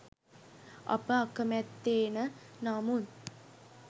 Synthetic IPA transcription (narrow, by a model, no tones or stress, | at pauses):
ɐ̰pəakəmɛt̪ːeːnənamun